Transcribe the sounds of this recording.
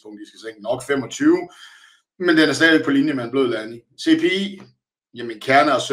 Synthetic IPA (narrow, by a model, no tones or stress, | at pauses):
oŋd̥isɡ̥æseŋ̰ənɒ̽ɡ̥fem̰ɒ̽t͡sʰyːʊ | mend̥enæɐsdɛ̰ːeɡ̚pʰɒlinjəmeenb̥lø̝ðˠlæni | se̝pʰe̝ḭ | jeminkʰæɐnɐɒsø